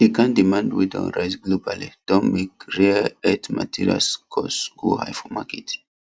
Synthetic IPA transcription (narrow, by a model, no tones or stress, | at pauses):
hikãndimãndwḭdɔ̰̃nɹajsɡlobalid̥ɔ̃nmekɹiɛtma̰tʰiɹia̰lskʰɔsɡ̥oha̰jfɔmaket